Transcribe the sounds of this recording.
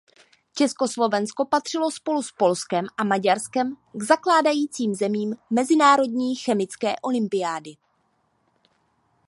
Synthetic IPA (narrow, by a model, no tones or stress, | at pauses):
t͡ʃɛsko̞slo̞vɛnsko̞pat̪r̝̥ɪlo̞spo̞luspo̞lskɛmʔamaɟaɾskɛm | ɡzaklaːdajiːt͡siːmzɛmiːmːɛzɪnaːɾo̞dɲiːxɛmɪt͡skɛːʔo̞lɪmpɪaːdɪ